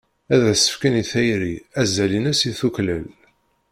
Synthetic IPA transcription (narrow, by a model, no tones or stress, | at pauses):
æðæsə̥fkæniθæjɾiæzælinæsiθukləl